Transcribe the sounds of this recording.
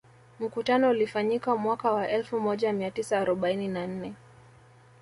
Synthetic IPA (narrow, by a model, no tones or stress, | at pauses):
m̩kutanɔulifaɲikamwakawaʔɛlfumɔʄamiatisaːɾɔɓaininan̩nɛ